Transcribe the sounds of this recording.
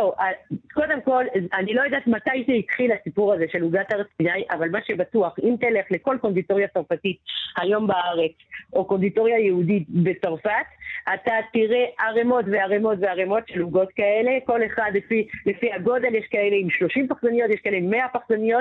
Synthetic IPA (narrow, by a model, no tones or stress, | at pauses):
oako̞de̞mko̞lanilo̞jodaːtmatajʃeit̪χilasipuʁazeʃe̞luɡataʁet͡sbinajʔavalmaʃebatuaχimt̪ele̞χle̞ko̞lkond̪ito̞ʁjat͡saʁfatithajo̞mbaaʁe̞t͡so̞ko̞nd̪ito̞ʁjajeuditbe̞t͡saʁfatatat̪iʁeʔaʁemo̞tveaʁemo̞tveaʁemo̞tʃeluɡo̞tkae̞le̞ko̞le̞χadlefilefihaɡo̞de̞ljeʃkae̞le̞imʃlo̞ʃimpaχzanijo̞t̪jeʃkaeleimːeapaχzanijo̞t̚